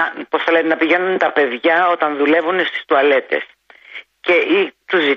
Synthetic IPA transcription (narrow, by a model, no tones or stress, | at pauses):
po̞sθɐle̞t̪enɐpiʝe̞nunt̪ɐpe̞ðʝɐo̞t̪ɐnðule̞vunest̪i̥st̪uɐle̞t̪e̞̰s | ce̞ʔit̪uzi